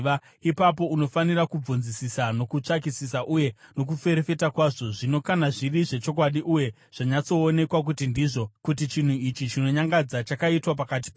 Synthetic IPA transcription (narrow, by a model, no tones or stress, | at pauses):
a | ipapo̞uno̞fanirakub͡vunzisisano̞kut͡ʂak̬isisaʔuje̞no̞k̬ufe̞ɾefe̞takwaʐo̞ʐino̞kanaʐiriʐe̞t͡ʃo̞k̬waɗiʔuje̞ | ʐ̥aɲat͡so̞ːne̞kwak̬utindiʐo̞kut̬it͡ʃin̤uit͡ʃit͡ʃino̞ɲaŋɡad͡zat͡ʃakaitwap̬akat̬i̥p